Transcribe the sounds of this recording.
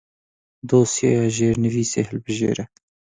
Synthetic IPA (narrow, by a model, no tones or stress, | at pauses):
d̪oːsjeːjɑːʒeːɾnɨviːsḛːhɛlbɨʒḛːɾɛ